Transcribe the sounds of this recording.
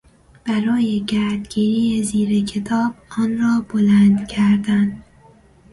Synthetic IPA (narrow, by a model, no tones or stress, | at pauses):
b̥æɾɒːjeɟæɾd̪ɡiɾiːeziːɾecʰe̞t̪ʰɒːb̥̚ɒːnɾɒːbolænd̪cʰæɾd̪ænd̪